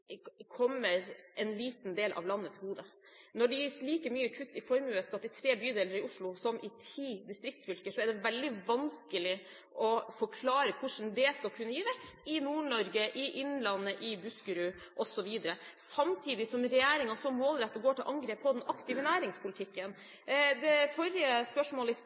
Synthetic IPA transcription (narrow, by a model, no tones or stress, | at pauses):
kʰɔmːəɾʔɛnliːt̪nd̪eːlʔɑ̰ʋlɑnːət̪ʰɪlhuːd̪ə | nɔɖɛjiːsliːkəmyːəkʰʉt̪ːɪfɔɾmʉəskɑt̪ːɪt̪ʰɾeːbyːd̪eːləɾɪʊʂɭʊsɔmʔɪt̪ʰiːd̪ɪst̪ɾɪk̚t̪fʏlkəʂɔɛɖɛʋɛld̪ɪʋɑnskəlɪ | ʔɔfɔkʰlɑːɾəkʰʊʂn̩d̪ɛskɑlkʰʉnːəjiːʋɛkst̪ʰɪnuːɳɔɾɡəʔɪʔɪnːlɑnːəʔɪbʉskəɾʉ | ʔɔsɔʋiːd̪əɾəsɑmt̪ʰiːd̪ɪsɔmɾɛjæːɾɪŋɑsɔmmoːlɾɛt̪ːəɡoːʈɪlʔɑŋɡɾeːpʰːɔd̪ɛnɑkt̪ɪːʋənæːɾɪŋspʰʊlɪt̪ʰɪkːən | d̪ɛfɔɾjəspœʂmoːləɪ